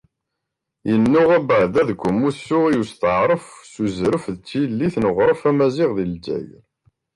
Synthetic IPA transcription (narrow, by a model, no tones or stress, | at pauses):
jənːʊʁæbəʕðæðɡʷʊmusːʊʁijust̪əʕɾˤəfsuzɾəfðət͡sːilːiθnəʁɾˤəfæmæzɪʁðild͡ʒæ̰jl